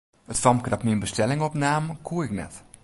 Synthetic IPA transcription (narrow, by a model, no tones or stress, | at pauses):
ətfɔmkədɔpniənbəstɛlɪŋɔpnaːməkʰuəɪknɛ̰t